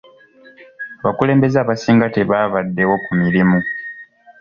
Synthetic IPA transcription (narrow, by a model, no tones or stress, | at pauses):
aβakule̞ːmbe̞zaːβasiːŋɡateβaːβadːe̞wo̞kumiɾimu